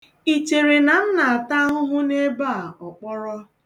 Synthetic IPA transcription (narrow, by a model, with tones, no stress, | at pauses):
i˨t͡ʃe˨ɾe˨na˨n̩˦na˨a˨ta˦ɦʊ˦ɦʊ˦ne˦ba˦˨ɔ˨k͡pɔ˦ɾɔ˦